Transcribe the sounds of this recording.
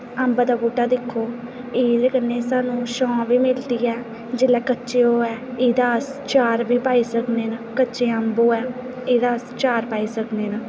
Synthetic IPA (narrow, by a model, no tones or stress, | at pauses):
əmbaːd̪aːɡuːʈːaːd̪ɪkʰːoː | iːd̪ekənːeːsaːnũːʃɔ̃ːʋiːmɪld̪iːɛː | d͡ʒɪlɛːkətːʃeːoːɛːɪːd̪aːst͡ʃaːɾʋiːpaːiːsəkneːnakətːʃeːəmboːɛː | eːd̪aːst͡ʃaːɾpaːiːsəkneːnaː